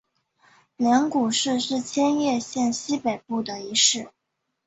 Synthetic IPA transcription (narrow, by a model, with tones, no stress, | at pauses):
ljɛ˧˥nku˨˩ʂɻ̩˥˧ʂɻ̩˥˩t͡ɕʰjɛ˥njɛ˥˧ɕjɛ˥˧nɕi˥pe˨˩ɪpu˥˩d̪ə˩i˧˥ʂɻ̩˥˩